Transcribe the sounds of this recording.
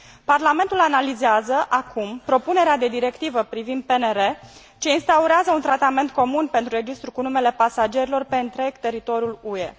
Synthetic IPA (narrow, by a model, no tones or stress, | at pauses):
parlame̞nt̪ulanalizeazəʔakʰumpɾo̞pune̞ɾead̪e̞d̪iɾe̞kt̪ivəpɾivind̪̚pe̞neɾe̞ | t͡ʃe̞inst̪auɾeazəunt̪ɾat̪ame̞nt̪̚ko̞munpent̪ɾuɾe̞d͡ʒist̪ɾukunume̞le̞pasad͡ʒe̞ɾilo̞rpe̞ɨnt̪ɾe̞ɡ̥t̪e̞ɾit̪o̞ɾijulue̞